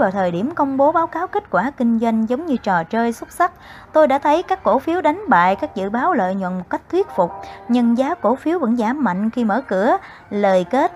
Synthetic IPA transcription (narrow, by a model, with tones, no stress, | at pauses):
aː˨˩wt̪ʰəː˨˩jɗi˧˩əmkə˧wŋ͡mɓo˨˦ɓaː˨˦wkaː˨˦wke˦˥t̚kwaː˧˩kï˧ŋ̟zwa˧jŋ̟zə˨˦wŋ͡mɲɨ˧t͡ɕɔ˨˩t͡ɕəː˧jswə˦˥t̚sa˦˥k̚t̪o˧jɗa̰ː˧˥t̪ʰə˨˦jkaː˦˥kːo˧˩fi˨˦əwɗa˨˦jŋ̟ɓa̰ː˧˨jkaː˦˥k̚zɨ̰˧˨ɓaː˨˦wlə̰ː˧˨jɲwə̰˧˨nmo˨˩t̚ka˦˥jk̟̚t̪ʰwi˦˥ət̚fʊ˨˩k͡p̚ɲə˧nzaː˨˦ko˧˩˦fi˨˦əwvə̰˧˥nzaː˧˩mːa̰˧˨jŋ̟xi˧məː˧˩kɨ˧˩ə | ləː˨˩jke˦˥t̚